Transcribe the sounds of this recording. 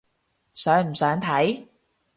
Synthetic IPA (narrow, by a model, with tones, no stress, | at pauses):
sœː˨˥ŋm̩˨˩sœː˨˥ŋt̪ʰɐ˨˥j